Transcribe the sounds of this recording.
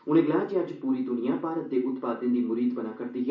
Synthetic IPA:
ʊnẽːɡlaːd͡ʒəd͡ʒpuːɾiːd̪ʊnɪjãːpaːɾət̪̚d̪eːʔʊt̪paːd̪ẽnd̪iːmʊɾiːd̪bənaːkəɾd̪iːɦ

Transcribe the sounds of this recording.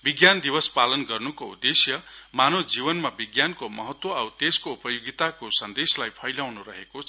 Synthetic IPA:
biɡjand̪ibʌspalʌnɡʌrnukoṵd̪esjʌmanod͡zibʌnmabiɡjankomʌɦʌt̪woʌwt̪eskoupʌjoɡit̪akosʌnd̪eslajpʰʌjlawnuɾʌɦekot͡sʰ

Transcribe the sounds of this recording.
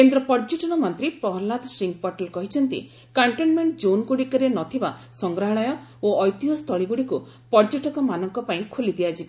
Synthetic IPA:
kend̪ɾɔpɔɾd͡ʒeʈɔnɔmɔnt̪ɾipɾɔɦɔɾlːad̪siŋɡ̚pɔɾʈelkɔɦit͡ʃʰɔnt̪ḭ | kaɳʈenmeɳʈd͡ʒonkuɽikɔɾenɔt̪ʰiba | sɔŋɡɾaɦɔɭɔjɔoɔjt̪iɦɔst̪ʰɔɭiɡuɽiku | pɔɾd͡ʒeʈɔkɔmanɔŋkɔpaĩkʰolid̪iad͡ʒi

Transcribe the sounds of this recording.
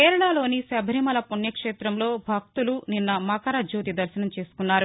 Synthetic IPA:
keːɾɐɭaːlo̞ːnisɐbʱɾimɐlɐpuɳjɐkʂeːt̪ɾɐmlo̞ːbʱɐk̚t̪uluninːɐmɐkɐɾad͡ʒoːt̪id̪ɐɾʃɐnɐmt͡ʃe̞ːsu̥kunːaːɾu

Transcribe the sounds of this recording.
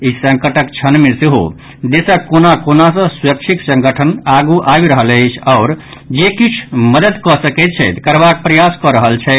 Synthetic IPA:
isə̃ŋkəʈəkt͡ʃʰənmeseɦo̰ | d̪esəkonakonasə̃suɾək̚t͡ʃʰiksə̃ŋɡəʈʰənaɡuʔabɾəɦələɪt͡ʃʰaʊɾ | d͡ʒekit͡ʃʰməd̪əd̪kɔsəkɛt̪̚t͡ʃʰɛt̪kəɾbak̚pɾəjaskɔɾəɦəlt͡ʃʰɛ

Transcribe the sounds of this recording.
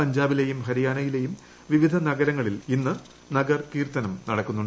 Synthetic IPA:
ɐɲd͡ʑaːbile̞jumɦɐɾijaːnɐjile̞jum | ʋiʋid̪ʱɐnɐɡɐɾɐŋːɐɭilinːɨ | nɐɡɐrkiːrt̪ɐnɐmnɐɽɐkːunːuɳɖ

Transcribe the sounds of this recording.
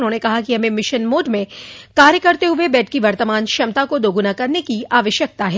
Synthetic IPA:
nɦõːnekɐɦakiɦɐmẽmɪʃənmoːɖmẽkaːɾjəkɐɾt̪eɦʊʋebɛːʈ̚ʰkiʋɐɾt̪əmaːnʃɐmt̪akod̪oːɡʊnakɐɾnekiaːʋəʃjək̚t̪aɦɛː

